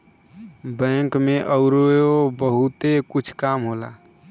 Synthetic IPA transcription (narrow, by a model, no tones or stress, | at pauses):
bɛ̃ŋkmeʔəʊɾoobəɦut̪ekut͡ʃʰkamɦola̰